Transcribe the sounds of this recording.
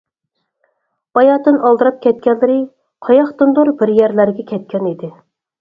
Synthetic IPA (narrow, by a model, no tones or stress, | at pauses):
b̥ɑjɑːd̪ɨnɑlˠd̪ɨɾɑp̚kʲʰɛt̪̚kʲɛnlɪɾɪ | qʰɑjɑχt̪ɨnd̪uɾbɪɾjɛɾlæɾɡʲɛkʲʰɛt̪̚kʲɛnid̪ɪ